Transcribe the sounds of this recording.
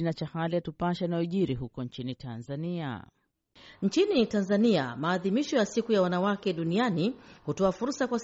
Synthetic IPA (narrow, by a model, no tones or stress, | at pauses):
inat͡ʃahalijatupaʃanaɛʄiɾiɦukɔnt͡ʃinitʰanzania̰ | ɲ̩t͡ʃinitanzania̰maːðimiʃɔjasikujawanawakɛɗunianihutɔafuɾsakwas